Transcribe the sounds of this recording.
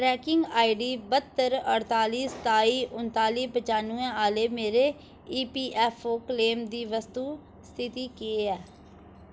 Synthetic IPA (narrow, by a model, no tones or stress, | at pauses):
ʈɾɛːkɪŋɡaːiɖiːbət̪ːəɾəɽt̪aːliːst̪aːiːʔʊnt̪aːliːbət͡ʃaːnuɛ̃ːaːleːmeːɾeː | iːpiːʔɛːpʰoːkleːmd̪iːʋəst̪uː | st̪ʰɪt̪iːkieːɛː